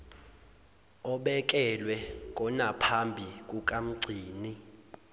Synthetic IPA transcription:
ɔɓɛk̬ʼɛlwɛkʼɔnapʰambʱikʼukʼam̩ɡ͡ǀʱiːni

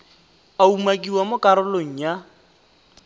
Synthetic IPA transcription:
aumakʼiwamʊkʼaɾʊloŋ̩ja

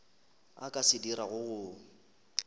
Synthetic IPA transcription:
a̰kʼasɪdiɾaɣʊɣʊ

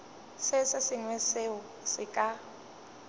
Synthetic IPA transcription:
sɪsɪsɪŋwɛseʊ | sɪkʼa

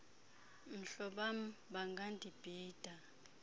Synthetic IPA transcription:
m̩ɬɔɓam̩ɓaŋɡʱandʱib̥ʱiːd̥ʱa

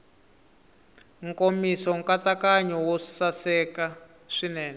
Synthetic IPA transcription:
ŋkomisɔŋkat͡sakaɲɔwɔsasɛka | ʂinɛːnɛ

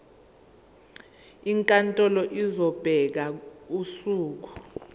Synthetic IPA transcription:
iŋkʼantʼɔlɔʔizɔb̥ʱɛk̬ausuːk̬u̥

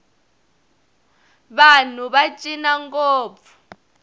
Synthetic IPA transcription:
βan̤uβat͡ʃʼinaŋkoːbp̪fu̥

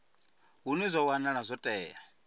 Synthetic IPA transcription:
ɦunizʷɔwanaɺazʷɔtʼɛːja

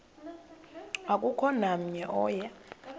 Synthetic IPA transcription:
akʼukʰɔnam̩ɲɛʔɔːja

